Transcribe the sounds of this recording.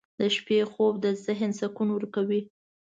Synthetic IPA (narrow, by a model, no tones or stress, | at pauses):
d̪əʃpexob̚d̪əzɪɦnsakunwəɾkawi